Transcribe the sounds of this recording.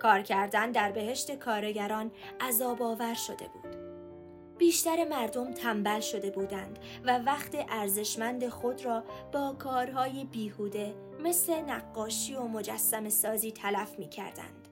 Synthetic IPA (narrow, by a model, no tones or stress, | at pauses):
kʰɒːɾcʰæɾd̪ænd̪æɾbe̞he̞ʃt̪e̞kʰɒːɾeɟæɾɒːnʔæzɒːbɒːvæɾʃo̞d̪ḛbṵːd̪̥ | b̥iːʃt̪æɾe̞mæɾd̪o̞mt̪ʰæmbælʃo̞d̪e̞buːd̪ænd̪̥ | vævæχt̪eʔæɾze̞ʃmænd̪e̞xo̞d̪rɒːb̥ɒːkʰɒːɾɦɒːjebiːhuːd̪e̞ | me̞sle̞næɡːɒːʃiːomo̞d͡ʒæsːæme̞sɒːziːt̪ʰælæfmiːcʰæ̰ɾd̪æ̰nd̪̥